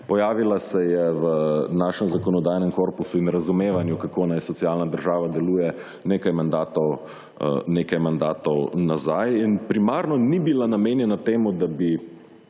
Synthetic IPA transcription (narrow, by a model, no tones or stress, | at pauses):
pɔjaːʋilasɛjɛʋənaːʃɛmzakɔnɔd̪ajnɛmkoːɾpusuinɾɐzumeːʋanjukakoːnajsɔt̪sialnad̪əɾʒaːʋad̪ɛluːjɛ | neːkajmand̪aːt̪ɔw | neːkajmand̪aːt̪ɔwnazajinpɾimaːɾnɔnibilanameːnjɛnat̪eːmud̪abi